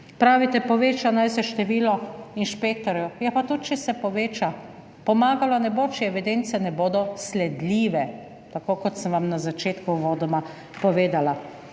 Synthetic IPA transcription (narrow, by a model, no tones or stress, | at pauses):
pɾaːʋit̪ɛpɔʋeːt͡ʃanajsɛʃt̪ɛʋiːlɔinʃpek̚t̪ɔɾjujɛpat̪ut̪t͡ʃɛsɛpɔʋeːt͡ʃa | pɔmaːɡalanɛboːt͡ʃɛɛʋid̪ent̪sɛnɛboːd̪ɔslɛd̪liːʋɛ | t̪akoːkɔt̪səmʋamnazat͡ʃeːt̪kuʋoːd̪ɔma | pɔʋeːd̪ala